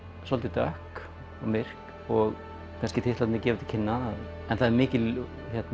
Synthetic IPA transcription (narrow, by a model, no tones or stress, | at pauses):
sɔlt̪ɪt̪œhk | ɔmɪr̥k | ɔɣ | kʰanscɪt̪ʰɪht̪at̪nɪcɛːvɪt̪i̥cʰɪnːa | ɛnθaðɛɾmɪːcɪl | çɛt̪n